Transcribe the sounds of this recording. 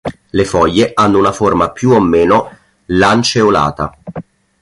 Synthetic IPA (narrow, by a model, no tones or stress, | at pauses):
lefɔjːeʔanːounaformapjuomːeːno | lant͡ʃeola̰ːt̪a̰